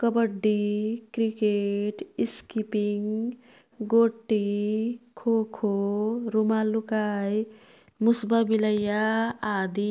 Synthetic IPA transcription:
kəbəɖːikɾikeʈiskipiŋ | ɡoːʈːikʰoːkʰoɾumalukaːj | musbabiləjaaːd̪i

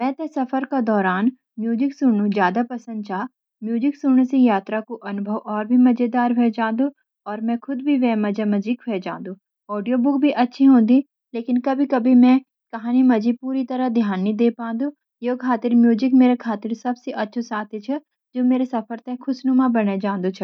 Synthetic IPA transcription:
mɛ̃ːt̪ɛsɐfəɾkad̪ɔːɾaːn | mjuːd͡ʒɪksʊnũzjaːd̪apɐsə̃nd̪̚t͡ʃaː | mjuːd͡ʒɪksʊñsejaːt̪ɾakoʔɐnʊbʱəʋɔːɾbʱimɐd͡ʒed̪aːɾɦed͡ʒãːd̪u | ɔːɾmɛ̃kʰʊd̪bʱiʋɛ̃mɐd͡ʒamɐd͡ʒiːkɦed͡ʒã̰ːnd̪ũː | ɔːɖijobʊk̚bʱiʔɐtːʃʰiɦõːn̆d̪i | leːkɪnkɐbʱikɐbʱimɛ̃ | kɐɦaːnimɐd͡ʒipuːɾit̪ɐɾəd̪ʱjaːnːĩd̪eːpãːnd̪u | jekʰaːt̪ɪɾmjuːd͡ʒɪkmeːɾekʰaːt̪ɪɾsɐbseʔɐtːʃʰosaːt̪ʰet͡ʃʰɛ | d͡ʒoːmeːɾesɐfʰəɾt̪ɐkʰʊsnumãbɐned͡ʒãːnd̪ot͡ʃʰə

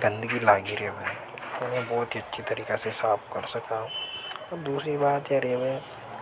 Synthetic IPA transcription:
ɡɐ̃nd̪əɡilaːɡiɾɦɛmɛ̃ː | onẽbɔːt̪iɐtːʃʰit̪ɐɾiːkesesaːpʰkɐɾsɐkaɦũɔːɾd̪uːsɾibaːt̪jɛɾeɛbɛː

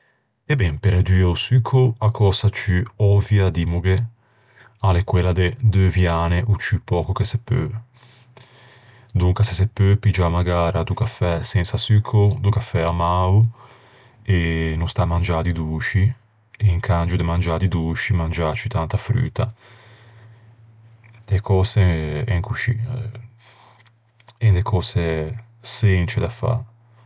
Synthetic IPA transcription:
ebɛmpeɾad͡ʒiːausykʰoakʰɔsat͡ʃyɔvjad̪imuɡe | alekwelːad̪ed̪øvjaːneʔut͡ʃːypːɔːkokesepːø̰ | d̪uŋkasesepːøpid͡ʒamːaɡaːɾad̪ukafɛsɛnsasykʰod̪ukafːɛamaːu | enunst̪amand͡ʒad̪id̪uːt͡ʃi | eiŋkʰand͡ʒud̪emand͡ʒad̪id̪uːt͡ʃimand͡ʒat͡ʃit̪ant̪afɾy̰ːt̪a | d̪ekʰɔːseɛŋkʰut͡ʃiːa | end̪ekʰɔːse | sent͡ʃed̪afa̰

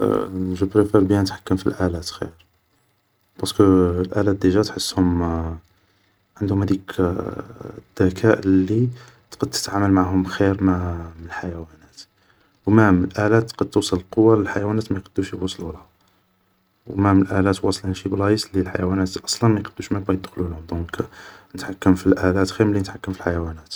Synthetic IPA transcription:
ʒubɾefeɾbijænət̪ħḁkːəmfḭlʔælæt̪xḭɾ | b̥ɑskəlʔælæt̪̚d̪iʒæt̪ħəsːhʊm | ʕənd̪hʊmhæd̪ik | d̪̥ːækʰæʔlːi | t̪qɑd̪̚t̪ːə̥t̪ʕaməlmaʕɦʊmxiɾmmnəlħajæwænæt̪ | wmæməlʔælæt̪qɑd̪̚t̪ːusˤələlqowːɑləlħajwænæt̪mæjqɑd̪ːuʃjwɑsˤlulhæ | wmæməlʔælæt̪wɑsˤlɑnʃiblɑjislilħa̰jwænæt̪ʔɑ̥sˤlɑnmæjqəd̪ːuʃmææjəd̪xlulʊmd̪unknət̪ħakːəmfilʔælæt̪xiɾmlːinət̪ħakːəmfilħajwænæt̪

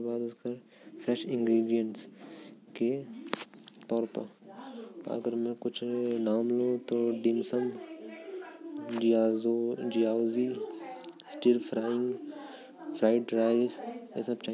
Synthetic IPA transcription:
baːd̪ʊskɐɾ | pʰɾɛʃɪ̃ŋɡɾiːɖijəɳʈske | t̪ɔːɾpə̰ | ɐ̰ɡəɾmẽkʊt͡ʃʰnaːmlot̪oɖɪmsəmb | od͡ʒijaːozi | sʈiɾpʰɾaːɪ̃ŋɡ | pʰɾaːɪʈɖɾaːɪsɛ̰sɐbt͡ʃaː

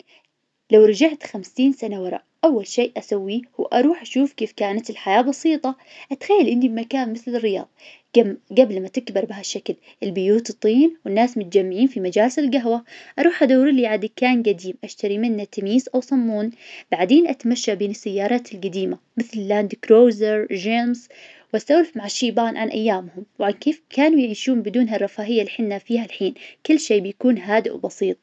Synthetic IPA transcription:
lawɾˤɑd͡ʒaʕt̪xamsiːnsanawɑɾˤɑ̰ʔʔawːalʃeːʔʔasawːihuʔɑ̰ɾˤuːħʔaʃuːfkeːfkaːnat̪ɪlħajaːbɑsiːt̪ˤɑ | ʔat̪xajːalʔɪnd̪ibmakaːnmɪθlɪrːɪjɑ̰ːðˤ | ɡaɡablmat̪ɪkbɪɾˤbɪhaʃːakl | ʔɪlbɪjuːt̪ɨt̪ˤːiːnwɪnːaːsmʊt̪̚d͡ʒamːɪʕiːnfimad͡ʒaːlsɪlɡaɦwaʔɑɾˤuːħʔad̪awɾɪliʕad̪ɪkːaːnɡad̪iːmʔaʃt̪aɾimɪnːat̪amiːzʔawsˤɑmːuːnb̥aʕd̪eːnʔat̪amaʃːabeːnɪsːajːɑːɾˤɑːt̪ɪlɡad̪iːma | mɪθlɪlːaːnd̪kɾoːzɪɾd͡ʒeːmzwʔast̪awlɪfmaʕaʃːiːbaːnʕanʔa̰jːaːmhʊmwʕankeːfkʰaːnujʕiːʃuːmbɪd̪uːnɦarˤːɑfaːhɪjːalːiħɪnːafiːhalħiːnkʊlːʃeːbɪjakuːnɦaːd̪ɪʔwbɑsˤiːt̪̚ˤ

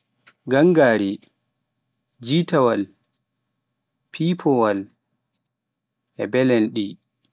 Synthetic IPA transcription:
ɡaŋɡaːɾi | d͡ʒitawal | pʰipʰɔwal | ʔɛ̰bɛlɛnɗi

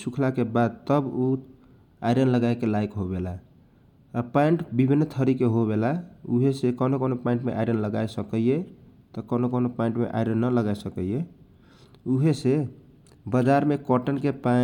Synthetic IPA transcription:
sukʰlakebad̪̚t̪əbu | a̰jɾənləɡaekelaikɦobelaː | paiɳʈbibʱinːt̪ʰəɾikeɦoβelauɦesekənokonopaĩɳʈmeʔa̰jɾənləɡajsəkəjet̪ɔkənokonopaiɳʈmḛʔa̰jɾənːələɡaesəkəje | uɦese | bəd͡ʒaɾmekɔʈənkepa

